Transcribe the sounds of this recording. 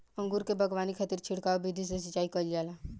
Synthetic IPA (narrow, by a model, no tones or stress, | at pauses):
ə̃ŋɡuɾkebʱɐɡwaːnikʰət̪iɾt͡ʃʰɪɽkaobid̪ʱis̬es̬ɪt͡ʃaːikəld͡ʒaːlaː